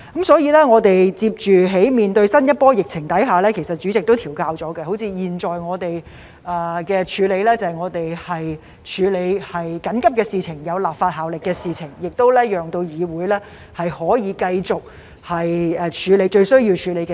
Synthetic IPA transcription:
kɐ˨˥msɔː˨˥jiː˨˧lɛː˥ŋɔː˨˧t̪e˨jt͡siː˧p̚t͡ʃyː˨˩ɦe˨˥jmiː˨nt̪ɵ˧ɥsɐ˥njɐ˥t̚pɔː˥jɪ˨k̚t͡sʰɪ˨˩ŋt̪ɐ˨˥jɦaː˨˩lɛː˥kʰe˨˩jsɐ˨t̚t͡ʃyː˨˥t͡sɪ˨k̚t̪o˥wt̪ʰiː˨˩wkaː˧wt͡sɔː˨˥ɡɛ˧ho˨˥wt͡sʰiː˧jiː˨˩nt͡ʃɔː˨jŋɔː˨˧t̪e˨j | ɛː˨˩kɛː˧t͡ʃʰyː˨˧le˨˧jlɛː˥t͡sɐ˨ɐ˨˩jŋɔː˨˧t̪e˨jhɐ˨j | t͡ʃʰyː˨˧le˨˧jhɐ˨jkɐ˨˥nkɐ˥p̚kɛː˧siː˨˩t͡sʰɪ˨˩ŋjɐ˨˧wlaː˨p̚faː˧t̚haː˨wlɪ˨kːɛː˧siː˨˧t͡sʰɪ˨˩ŋjɪ˨k̚t̪o˥wlɛː˥jœː˨ŋt̪o˧wjiː˨˧wuː˨˥jlɛː˥ | hɐ˨jhɔː˨˥jiː˨˧kɐ˧jt͡sʊ˨k̚ | hɐ˨jɛ˨˧t͡ʃʰyː˨˧le˨˧jt͡ʃɵ˧ɥsɵ˥ɥji˧wt͡ʃʰyː˨˧le˨˧jkɛ˧

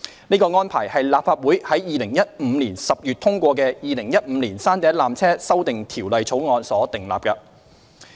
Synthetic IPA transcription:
niː˥kɔː˧ŋɔː˥npʰa̰ː˨˩jhɐ˨jlaː˨pfaː˧t̚wuː˨˥jhɐ˨˥jjiː˨˧lɪ˨˩ŋjɐ˥t̚m̩ː˨˧liː˨˩nsɐ˨p̚jyː˨t̚t̪ʰʊ˥ŋkʷɔː˧kɛː˧jiː˨˧lɪ˨˩ŋjɐ˥t̚m̩ː˨˧˦liː˨˩nsaː˥nt̪ɛː˨˥laː˨mt͡sʰɛː˥sɐ˥wt̪ɪ˨ŋt̪ʰiː˨˩wlɐ˨jt͡sʰo˨˥wŋɔː˨˧nsɔː˨˥t̪ɪ˨˩ŋla̰ː˨p̚kɐ˧

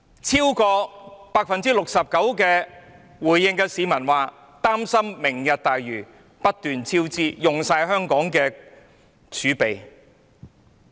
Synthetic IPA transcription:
t͡sʰiː˥wkɔː˧paː˧k̚fɐ˨nt͡siː˥lʊ˨k̚sɐ˨p̚kɐ˨˥wkɛː˧ | wuː˨˩jːɪ˧ŋkɛː˧siː˨˧mɐ˨˩nwaː˨ | t̪aː˥msɐ˥mːɪ˨˩ŋjɐ˨t̚t̪aː˨jɥyː˨˩ | pɐ˥t̚t̪yː˨nt͡sʰiː˥wt͡siː˥jʊ˨ŋsaː˧jɦœː˥ŋkɔː˨˥ŋkɛː˧ | t͡ʃʰyː˨˥pe˨j

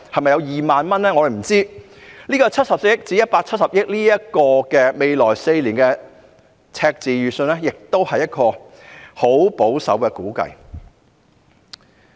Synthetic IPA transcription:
hɐ˨jmɐ˨jɐ˨˧wjiː˨maː˨nmɐ˥nlɛː˥ŋɔ˨˧ɾe˨˩m̩˨˩t͡siː˥ | nliː˥kɔː˧t͡sʰɐ˥t̚sɐ˨p̚se˧˥˧jɪ˥k̚t͡siː˨˥jɐ˥t̚paː˧k̚t͡sʰɐ˥t̚sɐ˨p̚jɪ˥k̚liː˥jɐ˥t̚kɔː˧kɛː˧me˨˧jlɔː˨˩jse˧jliː˨˩nkɛ˧ | t͡sʰɛː˧k̚t͡siː˨jɥyː˨˩sɵ˧nɛː˥jɪ˨k̚t̪o˥whɐ˨jɐ˥t̚kɔː˧ | ho˨˥wpo˨˥wsɐ̰˨˥wkɛ˧kuː˨˥kɐ̰˧j

